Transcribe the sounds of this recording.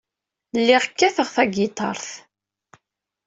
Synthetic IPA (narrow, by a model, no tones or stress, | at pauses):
lːɪʁkːæθəʁθæɡɪt̪ˤɑ̰ɾˤθ